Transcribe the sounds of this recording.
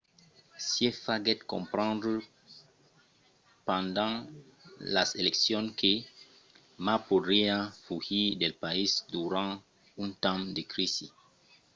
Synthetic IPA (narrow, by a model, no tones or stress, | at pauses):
siefaɡɛt̪kõ̰mpɾãnd̪ɾ | pãnd̪ãŋ | laseleksjɔ̃nkʰe | mapod̪ɾiafuhid̪elpaisd̪uɾã | ũnt̪ãmd̪ekɾisi